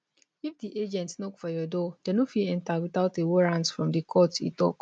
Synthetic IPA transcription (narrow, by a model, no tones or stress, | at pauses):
ifdiʔed͡ʒɛ̃ntsnokfɔjɔdɔd̥ɛnofiɛ̃ntawiθaʊtewoɹãnsfɹɔ̃mdikʰɔtḭtɔ̰k